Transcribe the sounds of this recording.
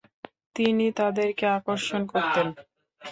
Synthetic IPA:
t̪init̪ad̪eɾkeakoɾʃonkoɾt̪en

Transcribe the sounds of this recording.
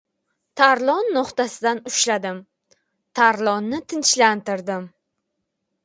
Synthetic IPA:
t̪ʰaɾlˠɒnːoqt̪asɪd̪anʊʃlad̪ɪm | t̪ʰaɾlˠɒnːɪt̪ʰɪnt͡ʃlant̪ɪɾd̪ɪm

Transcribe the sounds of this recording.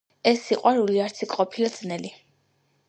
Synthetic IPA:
ɛsːiqʼwaɾuliaɾt̪sʰikʼqʼɔpʰilad̪z̥nɛli

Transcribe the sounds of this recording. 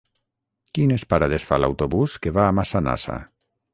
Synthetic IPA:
kinespaɾaðesfa̰la̰wt̪oβuskeβaːmasana̰sa̰

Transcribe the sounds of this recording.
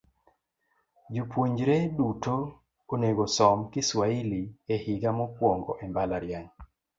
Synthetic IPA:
d͡ʒupwoɲd͡ʒɾeduto | oneɡosɔmkɪswailiɛhɪɡamɔkwɔŋɡɔʔɛmbalaɾjaŋ

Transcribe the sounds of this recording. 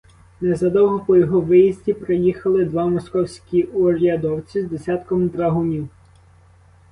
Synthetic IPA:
nɛzɐd̪ɔwɦɔpɔjɔɦɔʋɪjizʲdʲipɾejixɐlˠɪd̪ʋɑmɔskɔwsʲkʲiʔuɔɾʲɐd̪ɔwt͡sʲizd̪esʲat̪kɔmt̪ɾɐɦʊnʲiw

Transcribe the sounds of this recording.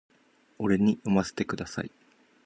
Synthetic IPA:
o̞ɾe̞ɲ̟iomase̥t̪e̞kɯ̟d̪asa̰i

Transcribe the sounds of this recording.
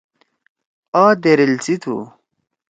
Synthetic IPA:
aːd̪eɾilt͡sit̪ʰṵ

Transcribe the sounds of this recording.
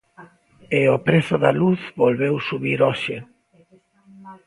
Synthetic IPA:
eopɾeθʊðaluθβolβewsuβiɾɔʃɪ

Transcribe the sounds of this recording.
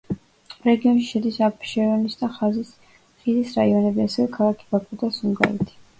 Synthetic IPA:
ɾɛɡiɔnʃiʃɛd̪isappʃɛɾɔnisd̪aχazis | χizisɾaiɔnɛbiasɛvɛkʰalˠakʰi̥bakʰʼud̪asuŋɡa̰ɾɛ̰t̪ʰi̥

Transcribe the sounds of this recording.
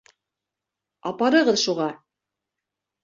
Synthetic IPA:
ɑ̰pɑɾɤ̆ʁɤðʃuʁɑ

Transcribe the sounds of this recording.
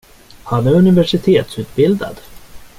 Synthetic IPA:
hanɛɵnɪvæʂɪt̪ʰeːt̪sʉ̟ːt̪bɪld̪a̰d̪

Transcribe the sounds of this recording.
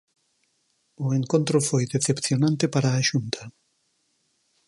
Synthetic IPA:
ʊeŋkont̪ɾʊfojðeθepθjonãnt̪epaɾaːʃunt̪ɐ

